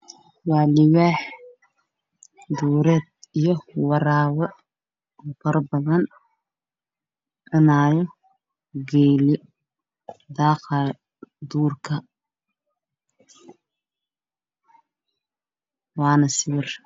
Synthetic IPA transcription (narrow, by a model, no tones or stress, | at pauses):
wɑːlɪwaːħ | d̪uːɾɛːd̪̚ijɔwɑɾaːwɐ | kʰɐɾbɐðɐn | ʕɪnaːjɔ | ɡɛːlɪ | d̪ɑːqɑ | d̪uːrkʰɐ | wɑːnɐsɪwɪr